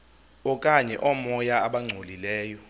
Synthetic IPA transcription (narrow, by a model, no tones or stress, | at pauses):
ɔkʼaɲɛ̰ʔɔmɔjaːɓaŋ͡ǀʱolilɛːjɔ